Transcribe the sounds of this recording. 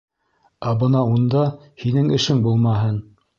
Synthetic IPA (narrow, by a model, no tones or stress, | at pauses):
æbɤnɑund̪ɑ | hinɘŋɘ̆ʃɘŋbulˠmɑɦɤn